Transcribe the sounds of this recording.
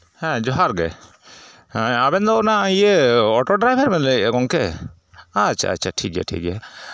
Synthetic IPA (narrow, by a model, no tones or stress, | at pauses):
hɛ̃d͡ʒɔɦaɾɡɛ̰ | hɛ̃abɛnd̪ɔɔnaijəɔʈɔɖɾajbʱaɾmɛnlɛɡɔŋkɛ | at͡ʃʰa̰a̰t͡ʃʰːaʈʰik̚ja̰ʈʰḭk̚a